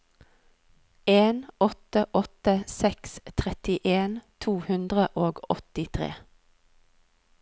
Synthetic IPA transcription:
eːnɔt̪əʔɔt̪əsɛkst̪ʰʁɛt̪ɪʔeːnt̪ʰuːhʉnd̪ʁəʔoːɡɔt̪ɪt̪ʰʁḛː

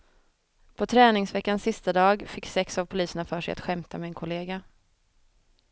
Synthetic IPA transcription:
pʰɔt̪ʰɾɛːnɪŋsvɛkːansːɪst̪ad̪ɑːɡfɪkːsɛksavpʰʊliːsəɳafœːʂɛja̰t̪ɧɛmt̪amɛːnkʰʊleːɡa

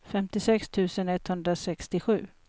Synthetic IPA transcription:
fɛmt̪ɪsɛkst̪ʰʉ̟ːsənɛt̪ːhɵnd̪ɾasɛkst̪ɪɧʉ̟ː

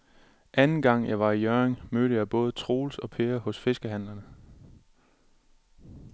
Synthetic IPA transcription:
ʔænn̩ɡ̥ɑ̈ŋ̰jɑ̈ɪʋɑ̈ijœeŋmøːɾəjɑ̈ɪb̥ɔ̽ːð̞ˠət͡sʰʁo̝ːlsɒ̽pʰeːɐhɔ̽sfe̝sɡ̥əɦæn̰lɐnə

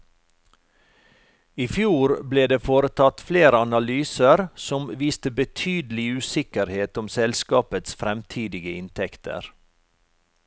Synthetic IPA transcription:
ifjuːɾbleːd̪eːfoːɾət̪ʰɑt̪fleːɾəɑnɑlyːsəɾsɔmʋiːst̪əbət̪ʰyːd̪l̩ɪʉːsɪkəɾheːt̪ʊmsɛlskɑːpət̪sfɾɛmt̪ʰiːd̪ɪɡəɪnt̪ʰɛkt̪ʰə̰ɾ

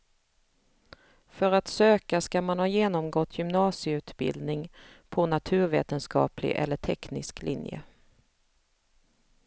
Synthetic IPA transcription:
fœɾat̪søːkaskamanhɑːjeːnɔmɡɔt̪ʰːjʏmnɑːsɪəʉ̟ːt̪bɪ̰ld̪nɪŋpʰɔnat̪ʰʉ̟ːɾvḛːt̪ənskɑ̰ːplɪ̰ʔɛ̰lːəʈʰɛknɪ̰sklɪ̰njə̰

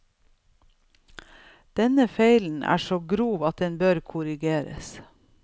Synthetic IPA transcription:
d̪̥ɛnəfeɪln̩ʔæ̰ːʃoːɡɾuːʋɑt̪̚d̪ɛnbøːɾkʰʊɾɪɡeːɾə̰s

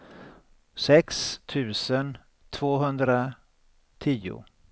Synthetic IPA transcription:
sɛkst̪ʰʉ̟ːsən | t̪ʰv̥oːɦɵnd̪ɾa | t̪ʰiːʊ̰

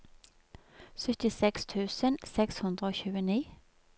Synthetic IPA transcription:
sœt̪ɪsɛkst̪ʰʉːsənsɛkshɵnd̪ʁəoːçʉ̟ːəniː

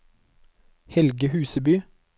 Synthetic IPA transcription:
hɛlɡəhʉːsəbyː

